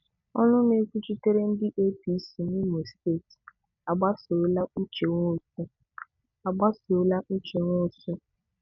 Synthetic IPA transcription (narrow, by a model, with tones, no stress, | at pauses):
ɔ̰˦nʊ˦ne˦ku˦t͡ʃi˦te˦ɾe˦n̩˦dɪ˦ʔe˦pi˨˦si˨ni˦mo˨ste˦˨t | a˨ɡ͡ba˦so˨˦la˦u˦t͡ʃe˨ŋʷo˦˨sʊ˦ | a˨ɡ͡ba˦so˨˦la˦u˦t͡ʃe˨ŋʷo˦˨sʊ˦